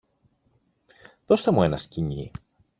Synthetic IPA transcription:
ðo̞st̪emue̞nɐsciɲḭ

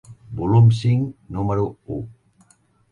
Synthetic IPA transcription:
bulumsiŋnumaɾuu

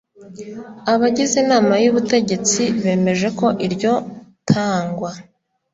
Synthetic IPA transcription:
aβaɟizinaːmajuβute̞ɟe̞t͡siβe̞ːme̞ʒe̞ko̞ʔiɾɟo̞tʰaːŋɡwa

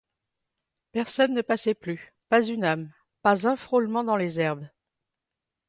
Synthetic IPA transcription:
pɛʁsɔnːəpasɛply | pazynam | pazɛ̃fχolmɑ̃d̪ɑ̃lezɛʁb

